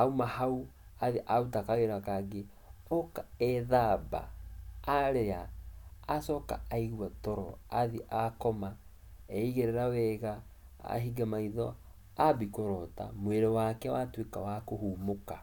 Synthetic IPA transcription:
aumahau | aðeʔautakaɣeɾakaɡe | ɔkaɛðaba̰ː | ɾeaː | sɔka̰aiɣwatɔɾɔ̰aðiʔakɔma | ɛiɣeɾɛɾawɛɣa | a̰ɦiɡamaiðɔ | abikoɾɔta̰mweɾɔwakɛwatwekawakohuːmoka

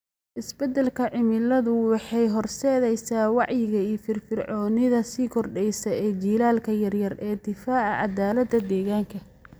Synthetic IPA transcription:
ʔɪsbɛd̪ɛlkʰɐʕɪmɪlɐðʊwɑħɑjɦɔrsɛːðɛjsaːwɑʕjɪɣɐiːfɪrfɪrʕɔːnɪðɐsiːkʰɔrɖɛjsɐɛːt͡ʃiːlaːlkʰɐjɐrjɐrɛːd̪ɪfaːʕɑ̰ʕɑ̰d̪aːlɐd̪ːɐd̪ɛːɣaːŋkʰɐ

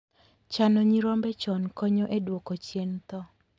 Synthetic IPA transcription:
t͡ʃanɔɲiɾɔmbɛt͡ʃɔnkɔɲɔʔedwokot͡ʃjent̪ɔ

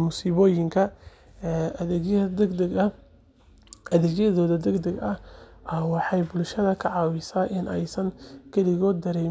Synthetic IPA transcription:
mʊsiːβɔːjɪŋkʰɐ | ʔɐðɛɡjɐðɔːðɐd̪ɛɡd̪ɛɡɐʔɐwɑħɑjbʊlʃɐðɐkʰɐʕɑːwɪsaːʔɪnʔɛjsɐŋkʰɐlɪɣɔːd̪̚d̪ɐɾɛ

